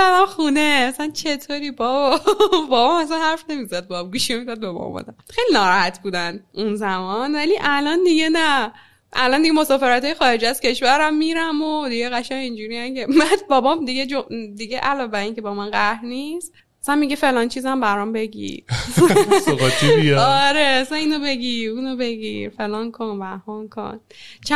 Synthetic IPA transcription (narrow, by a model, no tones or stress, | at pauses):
ælæmxuneæsænt͡ʃʰe̞t̪ʰoɾiːbɒbbɒːbɒmæsænhæɾfne̞mizæd̪̚bɒːbɡuːʃinemizæd̪̚bebɒ̰mɒ̰d̪æmxejlinɒːɾɒhæt̪ʰbuːd̪ænunzæmɒnvæliʔælɒnd̪iɡenæ | ʔæ̰lɒnd̪iɡemo̞sɒːfeɾæt̪ʰɒːjexɒːɾed͡ʒæz̥cʰe̞ʃvæɾæmːiɾæmod̪iɡeɣæʃæŋind͡ʒuːɾiænkʰemæbɒːbɒmd̪iɡed͡ʒod̪iɡeʔælɒːebæɾiːcebɒːmænɢæhɾnist̪ | æsænmiɟefe̞lɒːnt͡ʃʰiːzæmbæɾɒmbe̞ɟḭɾ | oɡɒt͡ʃːibiɒɾesæniːnobe̞ɡiɾunobe̞ɡḭɾfe̞lɒːnkʰonvæhɒnkʰo̰n | t͡ʃʰæ